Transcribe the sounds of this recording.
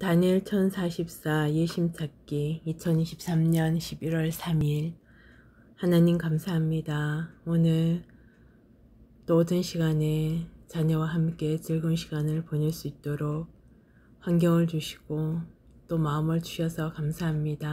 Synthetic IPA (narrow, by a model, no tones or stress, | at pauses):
taɲiɭt͡ɕʰʌnsʰaɕʰip̚s͈ajeɕʰimt͡ɕʰak͈iit͡ɕʰʌniɕʰip̚s͈amɲʌnɕʰibiɾwʌɭsʰamiɾ | hanaɲimkamsʰaɦamɲidaonɯɭ | t͈oːdɯnɕʰiɡanet͡ɕaɲʌwaɦamk͈e̞t͡ɕɯɭɡɯnɕʰiɡanɯɭpoɲɯɭs͈uit̚t͈oɾok̚ | hwaŋɡjʌŋɯɭt͡ɕuɕʰi̥ɡ̥o | t͈omaɯmɯɭt͡ɕuɕʰʌsʰʌkamsʰaɦamɲida